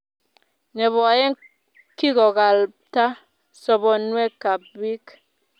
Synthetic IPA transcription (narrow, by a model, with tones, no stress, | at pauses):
ne˨βɔ˨a˨je˦ŋ | ki˦ɣɔ˨ɣa˨lta˦ | sɔ˦bɔ˨nwe˦ka˨p̚bi˦k